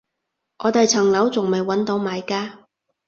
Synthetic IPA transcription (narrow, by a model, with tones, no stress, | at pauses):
ʔɔː˨˧t̪e˨jt͡sʰɐ˨˩ŋlɐ˨˥wt͡sʊ˨ŋme˨˩jwɐ˨˥nt̪o˨˥wmaː˨˧jkaː˧˥